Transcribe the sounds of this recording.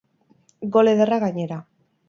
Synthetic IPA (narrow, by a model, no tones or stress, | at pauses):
ɡo̞leðeraɣaɲe̞ɾa